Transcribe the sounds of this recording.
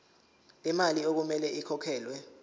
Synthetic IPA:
lɛmaliok̬umɛlɛʔikʰɔkʰɛːlwɛ

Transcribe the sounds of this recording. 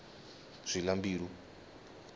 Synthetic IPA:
z̥ʷilambiːɺu

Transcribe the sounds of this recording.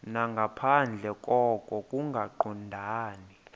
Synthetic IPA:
naŋɡʱapʰand͡ɮʱɛkʼɔkʼɔkʼuŋɡʱaǃundʱaːni

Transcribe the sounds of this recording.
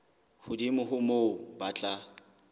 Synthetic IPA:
hʊdimʊɦʊmoʊbat͡ɬʼa

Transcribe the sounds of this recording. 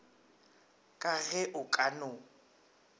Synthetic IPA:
kʼaɣɛʔʊkʼanʊ

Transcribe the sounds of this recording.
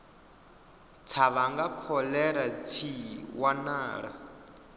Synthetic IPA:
t͡sʰaβaŋɡakʰɔlɛɾat͡sʰiwanaːɺa̰

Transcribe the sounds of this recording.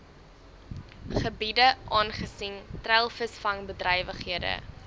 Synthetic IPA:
χəbidəʔɑːnχəsiŋtrælˠfəsfɐŋbədrɛjvəχɦiədə̰

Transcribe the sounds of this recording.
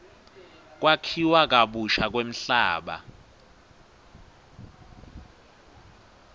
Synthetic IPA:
k̬ʼwakʰiwak̬ʼaɓuʃak̬wem̩ɬaːɓa̰

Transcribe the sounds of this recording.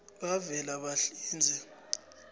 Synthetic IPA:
ɓavɛlaɓaɬiːnd͡zʱɛ

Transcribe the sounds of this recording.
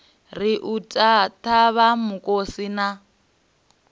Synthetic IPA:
riʔutʼatʰaβamukʼosina

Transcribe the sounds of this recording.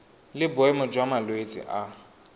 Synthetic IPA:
lɪbʊɛmʊd͡ʒwamalwet͡sʼɪ̰ʔa

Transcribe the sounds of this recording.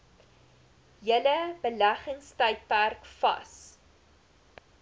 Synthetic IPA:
jələbəlæχəŋstəjt̚pærkfɐ̰s

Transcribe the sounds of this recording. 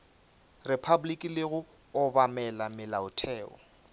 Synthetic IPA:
rɛpʰabʊlikʼilɪɣʊ | ʊbamɛlamɪlaʊtʰɛːɔ̰

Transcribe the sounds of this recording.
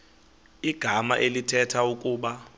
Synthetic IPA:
iɡ̥ʱamaʔelitʰɛtʰaukʼuːɓa

